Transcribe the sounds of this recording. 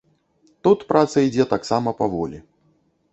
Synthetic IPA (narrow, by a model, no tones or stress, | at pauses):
t̪ut̪pɾʔat̪sɐid͡zʲɛt̪aksamɐpavɔlʲi